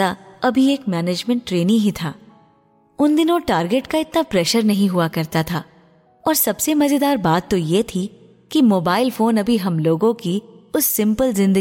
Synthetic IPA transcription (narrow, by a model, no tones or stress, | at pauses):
aɐbʱieːkmɛːneːd͡ʒmɛ̃ɳʈːɾeːniɦit̪ʰaː | ʊnd̪ɪnõʈaːɾɡeːʈkaɪt̪napɾɛːʃəɾnɐɦĩɦuakɐɾt̪at̪ʰaː | ɔːɾsɐbsemɐzed̪aːɾbaːt̪ːojet̪ʰi | kimoːbaːɪlfoːnɐbʱiɦɐmloːɡõkiʊsːɪ̃mpəlzɪ̃nd̪ə